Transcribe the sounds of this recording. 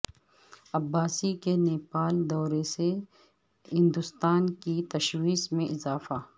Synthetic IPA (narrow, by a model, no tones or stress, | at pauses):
ɐbːaːsikeneːpaːld̪ɔːɾese | ɦɪ̃nd̪ʊst̪aːnkit̪ɐʃwiːsmẽʔɪzaːfa